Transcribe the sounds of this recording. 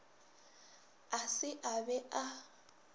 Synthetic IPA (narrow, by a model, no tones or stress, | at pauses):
asɪʔabɛʔa